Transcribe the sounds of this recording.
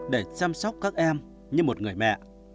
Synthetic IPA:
ɗe˧˩t͡ɕaː˧msɔ˦˥wk͡p̚kaː˦˥k̚ʔɛ˧m | ɲɨ˧mo˨˩t̚ŋɨ˨˩əjmɛ̰˧˨

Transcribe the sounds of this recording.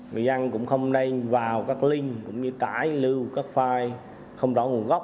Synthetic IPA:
ŋɨ̰˨˩jʔa˧nkʊ̰˧˥ŋ͡mxə˧wŋ͡mnə˧jvaː˨˩wkaː˦˥k̚li˧ŋ̟kʊ̰˧˥ŋ͡mɲɨ˧t̪a̰ː˧˩jlɨ˧wkaː˦˥k̚faː˧j | xə˧wŋ͡mzɔ˧˦ŋu˨˩əŋɣɔ˦˥wk͡p̚

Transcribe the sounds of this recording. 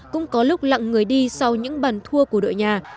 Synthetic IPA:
kʊ̰˧˥ŋ͡mkɔ˨˦lʊ˦˥k͡p̚la̰˧˨ŋːɨ˨˩əjɗi˧sa˧wɲɨ̰˧˥ŋɓaː˨˩nt̪ʰu˧əku˧˩əɗo̰˧˨jɲaː˨˩

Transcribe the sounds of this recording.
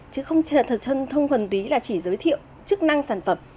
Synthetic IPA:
t͡ɕɨ˨˦xə˧wŋ͡m̪ʰə˧t̪ʰə˧wŋ͡mtə˨˩nt̪i˨˦laː˨˩t͡ɕi˧˩zəː˨˦jt̪ʰḭ˧˨ə˨w | t͡ɕɨ˦˥k̚na˧ŋsaː˧˩nfə˧˩m

